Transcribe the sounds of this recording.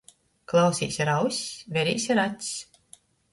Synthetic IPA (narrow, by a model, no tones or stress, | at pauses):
klˠawsḭːsʲɾawsʲvʲɛɾḭːsʲiɾat̪ʲs